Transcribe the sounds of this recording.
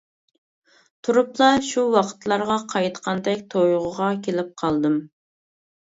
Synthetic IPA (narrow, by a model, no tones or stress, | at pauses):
t̪ʰuɾuplˠɑʃuwɑqʰə̥t̪lˠɑɾʁɑqʰɑjt̪qʰɑnd̪ɛkʲt̪ʰojʁʊʁɑkʲʰelɪp̚qʰɑlˠd̪ɨm